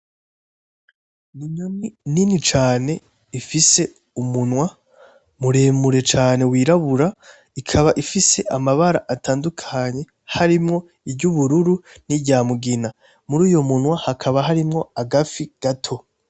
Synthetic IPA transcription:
niɲonininit͡ʃaːne̞ | ifise̞ | umunwa | muɾe̞ːmuɾe̞t͡ʃaːne̞wiːɾaβuɾa | ikʰaβaʔifise̞ʔamaβaɾaʔatʰaːndukʰaɲe̞ | haɾimŋo̞ | ibɟuβuɾuɾu | niɟaːmuɡina | muɾiːjo̞munwahakʰaβaɦaɾimŋo̞aɡafiɡ̥atʰo̞

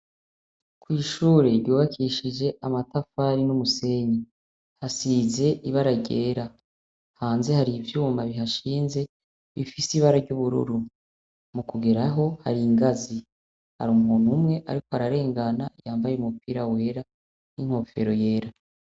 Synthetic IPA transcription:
kwiːʃuːɾeɾjuːβakʰiʃid͡ʒe̞ʔamatafaɾinumuse̞ɲi | hasize̞ʔiβaɾaɟeːɾa | haːnze̞haɾivjuːmaβiɦaʃiːnze̞ | βifisiβaɾaɾɟuβuɾṵɾu | mukuɡeɾaɦo̞ha̰ɾiŋɡazi | ha̰ɾumhuːnhumŋe̞ʔa̰ɾiko̞haɾaɾe̞ːŋɡanajaːmbajeumupiːɾawe̞ːɾa | niŋ̥ho̞ːfe̞̰ɾo̞je̞ːɾa

